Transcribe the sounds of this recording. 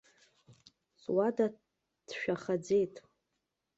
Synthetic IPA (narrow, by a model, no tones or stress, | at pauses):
sʼwada | d̥ʃᶣaχad͡ze̞jtʼ